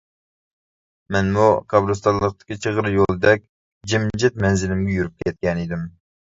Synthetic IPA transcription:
mɛnmuqʰɑbɾust̪ɑnlˠəq̚t̪ɨ̥kʲit͡ʃʰəʁəɾɨjolˠd̪ɛk̚ʲ | d͡ʒimd͡ʒɛt̪̚mɛnzɪlɪmɡʲɛjuɾyp̚kʲʰɛt̪̚kʲɛnid̪ɪm

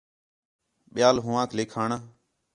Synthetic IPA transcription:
ɓɪjaːlɦʊ̃ːãːkʰleːkʰaːɳaː

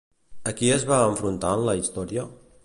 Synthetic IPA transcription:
əkiəzβaəɱfɾunt̪anləist̪ɔɾiə

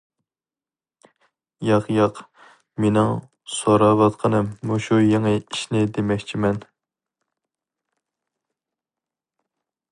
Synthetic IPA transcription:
jɑqjɑq | menɪŋ | soɾɑvɑt̪qʰɑnɨmːuʃujeŋɨiʃnɪd̪emɛkʲt͡ʃʰimɛn

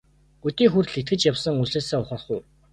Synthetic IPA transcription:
ɡut̪iːŋxurɮekʰt̪̚ɡɘ̆t͡ɕjawsə̆ŋuɮeːsæːʊχə̆rχʊ

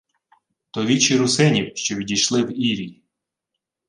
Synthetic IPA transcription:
t̪ɔʋʲit͡ʃiɾʊsɪnʲiwʃt͡ʃɔʋʲidʲijʃlˠɪwiɾʲi

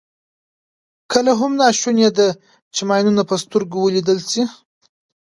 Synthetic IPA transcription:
kʰəlaɦʊmnɑʃunjed̪a | t͡ʃɪmɑjnunapəst̪uɾɡuwəlid̪əlsi

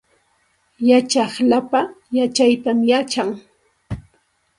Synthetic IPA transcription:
jat͡ʃɑχlapajat͡ʃajt̪amjat͡ʃaŋ

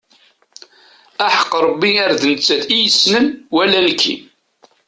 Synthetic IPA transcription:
æħə̥qːɾˤəbːiaɾðnət͡sːæθijəsnəmwælːænəkʰːḭ

